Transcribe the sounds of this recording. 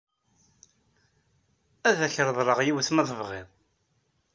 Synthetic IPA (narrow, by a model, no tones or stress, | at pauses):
æðæçɾəðˤɾˤəʁjiwθmæðəvʁeðˤ